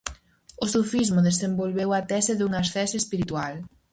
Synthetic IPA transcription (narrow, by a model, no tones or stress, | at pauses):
ʊsufizmʊðesembolβewat̪ɛsɪðuŋasθɛsespiɾit̪ual